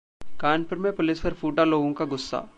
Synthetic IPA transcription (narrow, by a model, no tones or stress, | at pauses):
kaːɳpɐɾmepolispɐɾpʰuːʈaloːɡũŋkaɡʊsːa̰ː